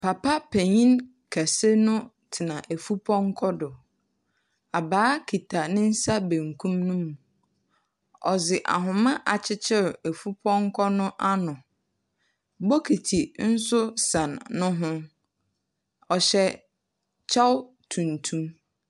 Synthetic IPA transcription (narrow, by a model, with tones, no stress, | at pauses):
pʰa˨pa˦pʰæ˨ɲĩ˦n | kʰæ˨se˦nʊ̃˦ | tʰɪ˨nã˨ʔæ˨fu˦pʰɔ̃˦ŋ̩˦kʰɔ˦dʊ˨ | a˨baː˨˦kʰi˨tʰa˨nɪ̃˦n̩˦sa˦bẽ˨ŋkʰũ˦mnũ˦mũ˨ | ɔ˨zɪ˨ʔa̰˨ɦʊ̃˨mã˦ʔa˨t͡ɕʰɪ˦t͡ɕʰɪ˦ɾæ˨fu˦pʰɔ̃˦ŋ̩˦kʰɔ˦nʊ̃˦ʔa˦nʊ̃˨ | bɔ˦kʰi˨tʰi˨n̩˦sʊ˦sã˨nːʊ̃˦ɦʊ̃˦ | ɔ˨ɕɛ˨ | t͡ɕʰa˦w | tʰũ˨ntʰũ˦m